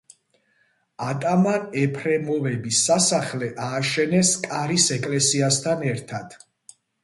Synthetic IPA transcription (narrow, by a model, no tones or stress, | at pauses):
at̪ʼamanɛpʰɾɛmɔvɛbisːasaχlɛʔaːʃɛnɛskʼaɾisɛkʼlɛsiast̪ʰanɛɾt̪ʰad̪̥